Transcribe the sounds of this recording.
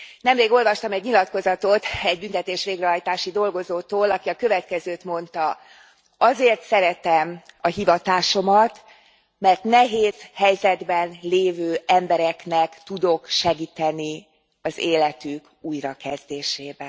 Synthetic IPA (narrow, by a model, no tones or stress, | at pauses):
nɛmleːɡo̞lvɒʃt̪ɒmɛɟɲilɒt̪ko̞zɒt̪o̞t̪ɛɟ̚bynt̪ɛt̪eːʃʋeːɡrɛɦɒjt̪aːʃid̪o̞lɡo̞zoːt̪oːlɒkiɒkø̞vɛt̪kɛzøːt̪mo̞nt̪ɒ | ɒzeːrt̪sɛɾɛt̪ɛmɒɦivɒt̪aːʃo̞mɒt̪ | mɛrt̪nɛɦeːz̥hɛjzɛd̪bɛnleːvøːɛmbɛɾɛknɛkt̪ud̪o̞kʃɛɡiːt̪ɛni | ɒzeːlɛt̪yk | uːjɾɒkɛzd̪eːʃeːbɛn